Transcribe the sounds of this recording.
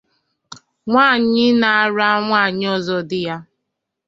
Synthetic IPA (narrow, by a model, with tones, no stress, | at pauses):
ŋʷaː˦˨ɲɪ˦na˨a˨ɾa˦ŋʷaː˦˨ɲɪ˦ɔ˦zɔ˦dɪ˦ja˦